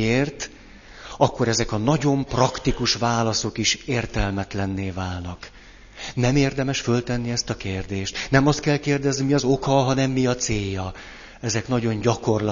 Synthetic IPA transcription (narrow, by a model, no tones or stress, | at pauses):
eːrt̪ | ɒkːo̞ɾɛzɛkɒnɒɟo̞mprɒkt̪ikuʃvaːlɒso̞kiʃeːrt̪ɛlmɛt̪lɛnːeːvaːlnɒk | nɛmeːrd̪ɛmɛʃfølt̪ɛnːiɛst̪ɒkeːrd̪eːʃt̪nɛmɒst̪kɛlkeːrd̪ɛznimiɒzokɒɦɒnɛmːiɒt̪seːjːɒ | ɛzɛkn̪ɒɟo̞nɟɒko̞rl